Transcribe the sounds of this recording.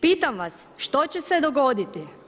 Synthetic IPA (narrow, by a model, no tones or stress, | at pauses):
piːt̪amʋas | ʃt̪o̞t͡ɕesed̪oɡo̞d̪it̪i